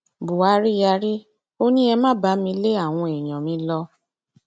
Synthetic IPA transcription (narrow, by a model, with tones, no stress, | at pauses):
bu˨a˨˦ɾi˦ja˧ɾi˦ | o˦nĩ˦ɛ˧mã˦ba˨˦mĩ˧˦le˦a˦˨w̃ɔ̃˧ɛ˨j̃ã˨mĩ˧˦lɔ˧